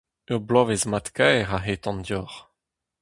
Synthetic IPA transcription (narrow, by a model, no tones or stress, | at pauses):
øʁblɔːvezmat̪kɛːʁaɦeːt̪ɑ̃nd̪jɔʁ